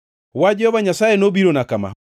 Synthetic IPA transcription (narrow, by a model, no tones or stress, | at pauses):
wad͡ʒɔbaɲasajenobiɾonakama̰